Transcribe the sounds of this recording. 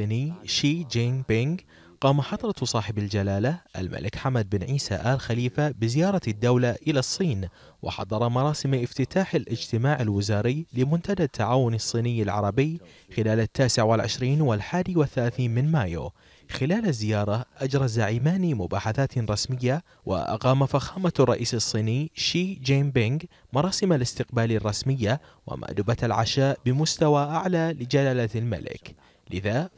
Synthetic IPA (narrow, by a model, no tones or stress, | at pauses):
iːnijʃiːd͡ʒɪnbɪŋɡ | qɑːmaħɑd̪ˤɾˤɑsˤɑːħɪbald͡ʒalaːlaʔa̰lmʔa̰lʔɪkħamad̪̚bɪnʕiːsa̰ʔaːlxaliːfabɪzɪjɑːɾˤɑd̪ːawlaʔɪlasˤːiːn | wʔɪ̰ħɑ̰d̪ˤɑɾˤɑmɑɾˤɑːsɪmʔɪft̪ɪt̪aːħalʔɪd͡ʒt̪ɪmaːʕalwɪzaːɾɪːlɪmʊnt̪ad̪at̪ːaʕaːwʊnɑsˤːiːnɪjːalʕɑ̰ɾˤɑbɪjxɪlaːlat̪ːaːsɪʕwɪlʕɪ̰ʃɾiːnwɪlħaːd̪iwɪθːalaːθiːnmɪnmaːjo̰ | xɪlaːlazːɪjɑːɾˤɑʔad͡ʒɾˤɑzaʕiːmaːnimʊbaːħaθaːt̪ɾˤɑsmɪjːa | wʔa̰ʔɑ̰qɑːmafaxaːmarˤːɑ̰ʔiːsɑsˤːiːnijʃiːd͡ʒaːmbɪŋɡ | mɑɾˤɑːsɪmalɪst̪ɪqbaːlirˤːɑsmɪjːa | wɪ̰mʔa̰ːd̪ʊbat̪alʕa̰ʃaːʔbɪmʊst̪awaʔaʕlaːlɪd͡ʒalaːlalma̰lɪ̰k | lɪða